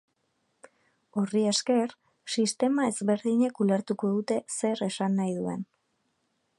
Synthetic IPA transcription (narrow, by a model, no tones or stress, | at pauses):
o̞rie̞ske̞ɾ | sist̪e̞mae̞zβe̞ɾðiɲe̞kule̞ɾt̪uko̞ðut̪e̞se̞ɾe̞sanːajðue̞̰n